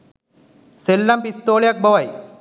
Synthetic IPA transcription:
selːɐmpist̪oːljɐk̚bɐʋɐj

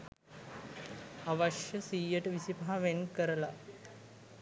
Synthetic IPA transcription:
aʋɐʃjəsiːjəʈəʋisipaɦaʋenkəɾəla

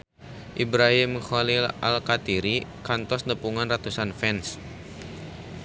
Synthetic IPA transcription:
ʔibɾaɦimxalila̰lkat̪iɾikant̪ɔsnəpuŋanrat̪usanfɛns

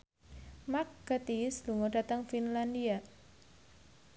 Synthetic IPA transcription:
mak̚ɡ̥at̪isluŋɔdat̪əŋfinlandia

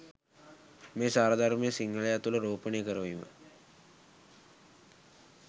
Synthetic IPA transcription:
meːsaːɾəd̪ʱaɾmejəsiŋɡəlejat̪uləɾoːpənejəkəɾəʋimə̰

